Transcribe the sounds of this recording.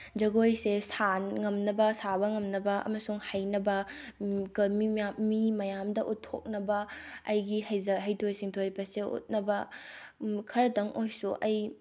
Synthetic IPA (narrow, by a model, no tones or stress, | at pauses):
d͡ʒɐɡojsesanŋɐmnɐbɐsabɐŋɐmnɐbɐʔɐ̰mɐsuŋhɐjnɐbɐ | kɐlmiamimɐjamdɐʔutʰːo̰k̚nɐbɐɐjɡihɐjzɐɦɐjtʰojsiŋtʰoɾbɐseṵt̚nɐbɐ | kʰɐɾɐtɐŋʔojsuʔɐj